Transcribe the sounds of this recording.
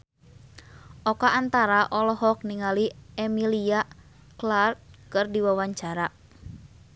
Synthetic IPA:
ʔɔkaʔant̪aɾaʔɔlɔɦɔk̚niŋaliɛmilia | klart̪̚kɨrdiwawaɲt͡ʃaɾa

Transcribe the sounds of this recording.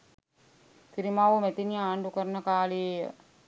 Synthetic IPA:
k̪iɾimaːʋumet̪inijɐaːɳɖukɐɾɐnɐkaːliejɐ̰

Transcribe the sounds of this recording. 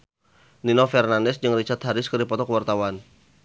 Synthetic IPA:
ninɔfɛrnandɛsd͡ʒɨŋrit͡ʃat̪haɾɪskərdipɔt̪ɔkəwart̪awan

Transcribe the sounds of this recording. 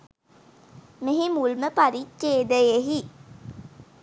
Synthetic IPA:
meɦimulməpaɾieːd̪əjeɦi

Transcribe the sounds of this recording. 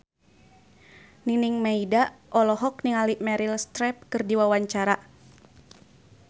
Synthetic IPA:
niniŋmɛidaʔɔlɔɦɔkniŋaliʔmɛɾilst̪ɾɛp̚kɨrdiwawaɲt͡ʃaɾa

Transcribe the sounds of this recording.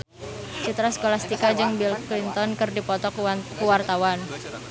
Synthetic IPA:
t͡ʃut̪ɾasə̥kolast̪ikad͡ʒɨŋbilklint̪ɔnkɨrdipɔt̪ɔkuwart̪awan

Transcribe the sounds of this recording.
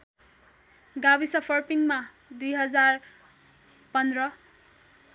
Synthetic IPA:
ɡabisʌpʰʌrpiŋma | d̪ujɦʌd͡zar | pʌnd̪rʌ

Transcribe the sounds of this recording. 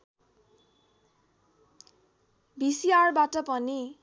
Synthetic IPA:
bisiarbatʌpʌni

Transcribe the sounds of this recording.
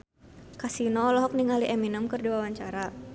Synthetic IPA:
kasinɔlɔɦɔk̚niŋaliʔɛminəmkɨrdiwawaɲt͡ʃaɾa

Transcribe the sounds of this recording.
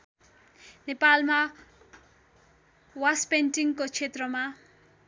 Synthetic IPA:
nepalma | waspenʈiŋkot͡sʰet̪rʌma

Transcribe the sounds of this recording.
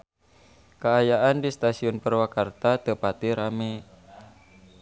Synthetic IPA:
kaːjaʔandist̪asiʊnpərwakart̪at̪əpat̪iɾame

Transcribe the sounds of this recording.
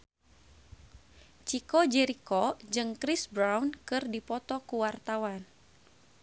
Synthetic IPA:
t͡ʃikɔd͡ʒɛɾikɔd͡ʒɨŋkɾisbɾawnkɨrdipɔt̪ɔkuwart̪awan

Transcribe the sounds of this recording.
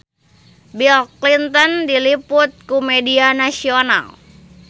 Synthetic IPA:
bilklint̪ɔndiliput̪̚kumɛdianasiona̰l

